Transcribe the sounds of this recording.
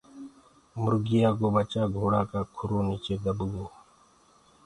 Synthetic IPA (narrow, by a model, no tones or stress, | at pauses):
mʊɾɡɪjaːkoːbət͡ʃaːɡʱoːɽaːkaːkʰʊɾoːniːt͡ʃeːd̪əbɡoː